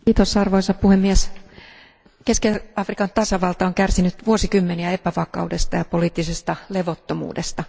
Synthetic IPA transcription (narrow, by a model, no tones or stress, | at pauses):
iːt̪osɑrʋoisɑppuhemːies | keskeɑfrikɑnt̪ɑsɑʋɑlt̪ɑoŋkærsinyt̪ʋuosikymːeniæepæʋɑkɑ̰ude̞st̪ɑjɑpoliːt̪ːisest̪ɑleʋot̪ːomṵːdest̪ɑ